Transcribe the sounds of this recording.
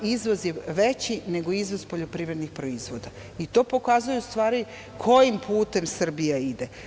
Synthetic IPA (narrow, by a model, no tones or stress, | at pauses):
izʋo̞zjeʋe̞t͡ɕine̞ɡo̞izʋo̞zpo̞ʎo̞pɾiːʋɾe̞d̪nixpɾo̞izʋo̞d̪a | it̪o̞ːpo̞kaːzujust̪ʋaːɾi | kʰo̞jimpuːt̪e̞msr̩bijaid̪e